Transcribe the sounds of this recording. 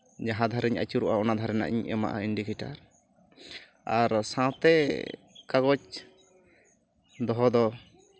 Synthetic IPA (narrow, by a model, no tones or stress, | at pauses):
d͡ʒaɦãd̪ʱaɾɛɲa̰t͡ʃuɾɔʔaɔnad̪ʱaɾɛna̰ʔḭɲɛ̰ma̰ʔa̰inɖikɛʈaɾ | aɾsãt̪ɛ | kaɡɔt͡ʃ | d̪ɔɦɔd̪ɔ